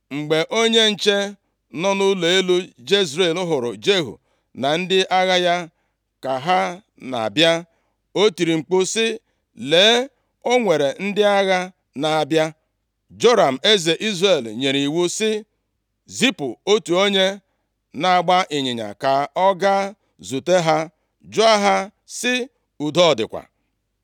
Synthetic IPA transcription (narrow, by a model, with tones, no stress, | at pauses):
ŋ͡m̩˨ɡ͡be˨ʔo˦ɲe˦n̩˨t͡ʃe˦ | nɔ˦nʊ˦le˨e˦lo˦d͡ʒe˦zɾe˨lʊ˦ɦʊ˨ɾʊ̰˨d͡ʒe˦ɦṵ˨ | na˨n̩˦dɪ˦ʔa˦ɣa˦ja˦ | ka˨ɦa˦ | na̰˨a̰˨bja˦ | o˦ti˨ɾi˨ŋ͡m̩˨k͡pʊ˦sɪ˦ | leː˨˦ | o˦ŋʷe˨ɾe˨n̩˦dɪ˦a˦ɣa˦ | na˨a˨bja˦ | d͡ʒo˦ɾa˨m̩˨e˦ze˨ʔi˦zre˨lɲe˨ɾi˨wu˦sɪ˦ | zi˦pʊ˨o˦tu˨o˦ɲe˦ | na˨a˨ɡ͡ba˦ʔɪ˨ɲɪ˨ɲa̰˨ka˨ɔ˦ɡa˦ | zu˨te˦ɦa˦ | d͡ʒo˦a˦ɦa˦ | sɪ˦ | u˨dɔ˦ɔ˨dɪ̰˨kʷa̰˨